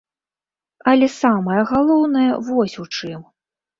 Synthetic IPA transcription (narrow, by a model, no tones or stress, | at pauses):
ɐlʲɛsamɐjɐɣalˠɔwnɐjɐ̰vɔsʲut͡ʂɨm